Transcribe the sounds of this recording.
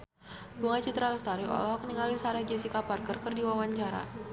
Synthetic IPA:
ɡuŋat͡ʃit̪ɾalst̪aɾiɔ̰lɔɦɔkəniŋalisaɾahɡɛsikaparkərkərdiwawaɲt͡ʃaɾa̰

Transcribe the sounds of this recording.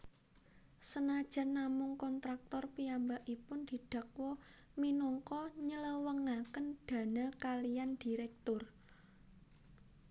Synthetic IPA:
sənad̥ʒ̥a̤nːamʊŋkɔnt̪ɾak̚t̪ɔrpiambaʔipʊnd̪̥i̤ɖ̪̥ä̤k̚wɔ | minɔŋkɔɲələwəŋakənd̪̥ä̤nəkalijand̪̥i̤ɾɛk̚t̪ʊr

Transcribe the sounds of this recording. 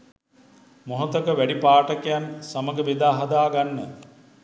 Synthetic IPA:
moɦot̪əkəʋæɖipaːʈəkejansaməɡəʋed̪aːɦɐd̪aːɡanːə

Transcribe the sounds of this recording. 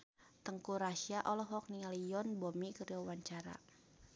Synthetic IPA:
t̪əŋkuɾaʃiaʔɔlɔɦɔk̚nialijɔnbɔmikəɾiɔwaɲt͡ʃaɾa̰

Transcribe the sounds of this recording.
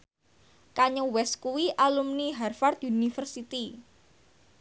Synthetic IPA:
kaɲuwɛskuwiʔalumniɦarfart̪unifərsit̪i

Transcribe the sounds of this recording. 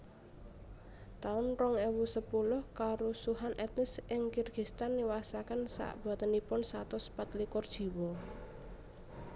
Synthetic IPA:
t̪aʊnrɔŋewusəpulʊhkaɾosuɦanʔɛt̪̚nɪsʔɪŋkirɡ̥ist̪anːiwasakənsa̰ʔb̥a̤t̪ənipʊnsat̪ɔsə̥pat̪likɔrd̥ʒ̥i̤wɔ

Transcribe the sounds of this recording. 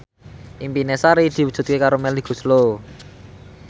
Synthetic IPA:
ʔimpinesaɾid̪̥i̤wu̥d̥ʒ̥ṳt̪̚kekaɾomɛliɡ̥ṳslo

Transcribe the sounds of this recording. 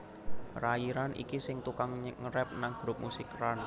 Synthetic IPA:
raiɾanʔḭkisɪŋt̪ukaŋɲŋəɾɛp̚naŋɡ̥ɾʊp̚musɪkran

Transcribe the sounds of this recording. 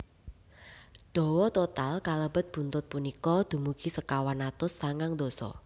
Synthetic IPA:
d̪̥ɔ̤wɔt̪ot̪alkaləbət̪̚b̥ṳnt̪ʊt̪̚punikɔd̪̥ṳmukʰisəkawanat̪ʊsːaŋaŋd̪osɔ̰

